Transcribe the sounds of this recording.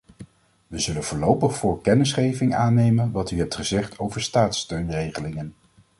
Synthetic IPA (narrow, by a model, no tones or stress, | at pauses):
ʋəzɵlənvʊːɹlowpəχfʊːɹkɛnɪsχejvɪŋaːnejmənʋɑtyɦɛp̚tχəzɛχtʰowvəɹstaːtstøɥnrejχəlɪŋən